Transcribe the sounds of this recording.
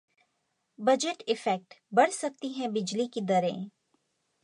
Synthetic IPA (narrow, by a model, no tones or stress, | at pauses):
bɐd͡ʒɪʈɪfɛk̚ʈbɐɽsɐk̚t̪iɦɛ̃bɪd͡ʒlikid̪ɐɾḛ̃